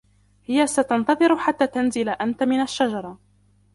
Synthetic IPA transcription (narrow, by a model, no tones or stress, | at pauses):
hɪjasat̪ɑnt̪ɑðˤɨɾʊħat̪ːaːt̪anzɪlaʔant̪amɪnaʃːad͡ʒɑɾˤɑ